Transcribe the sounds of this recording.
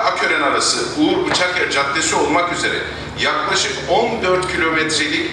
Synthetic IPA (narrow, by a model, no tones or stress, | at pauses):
acʰøɾɛnaɾasɯuuɾbɯt͡ʃʰakjɛd͡ʒat̪ːesio̞lˠmakyze̞ɾɛ̰ | jaklˠaʃɯkond̪øɾt̪cʰilʲo̞mɛt̪ɾilʲi